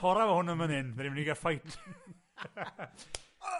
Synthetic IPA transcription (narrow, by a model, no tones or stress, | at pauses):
ɔɾavɔhʊnəmənɪndɾimniɡafajtʰ